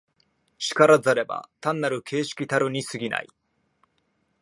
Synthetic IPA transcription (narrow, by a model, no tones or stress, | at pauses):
ɕi̥kaɾazaɾe̞ba̰t̪ãnːaɾɯ̟kʰe̞ːɕi̥kʲit̪aɾɯɲ̟isɨɡʲina̰i